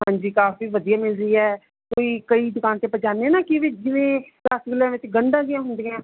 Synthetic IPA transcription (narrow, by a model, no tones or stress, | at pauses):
ɦãːɲd͡ʒiːkaːfiːʋəd̪ijaːmɪlziːɛː | koːiːkəiːd̪ʊkaːnt̪eːpət͡ʃaːneɛːnaːkɪʋɪd͡ʒɪʋẽː | laːsɡɪlãːʋɪt͡ʃɡəɳɖãːɡɪjãːɦʊ̃nd̪eãː